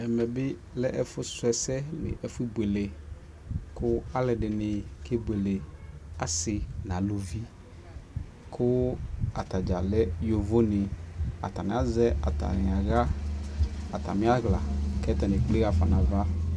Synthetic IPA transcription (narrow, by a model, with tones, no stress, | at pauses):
ɛ˨mɛ˨bɪ˦ | lɛ˦ʔɛ˦fʊ˦sʊ˦ɛ˨sɛ˦nɪ̰̃˨ʔɛ˨fʊ˦i˦bwe˨le˨ | kʰʊ˦a˦lɛ˨ɖɪ˨nɪ˨ke˦be˨le˨a˨sɪ˨nã˨lo˨vi˦ | kʰʊ˦a˨t̪a˨d͡ʒa˨lɛ˦jo˨vo˦nɪ˨a̰˨t̪a˨nɪ̃˨a˨˦zɛ˦a̰˨t̪a̰˨nɪ˨a˨ɣa˦ | a˨t̪a̰˨mĩ˦a˦ɣla˨kɛ˦t̪ɛ˨nɪ̃˨k͡ple˦ɣa˨fa˨nã˨va˦